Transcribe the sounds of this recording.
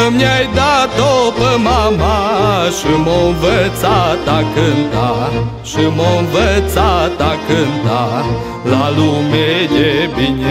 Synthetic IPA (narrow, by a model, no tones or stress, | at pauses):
əmeajd̪at̪opəmamaʃimoɨnvət̪sat̪akɨnt̪a | ʃimoɨnvət̪sat̪akɨnt̪a | lalumejebine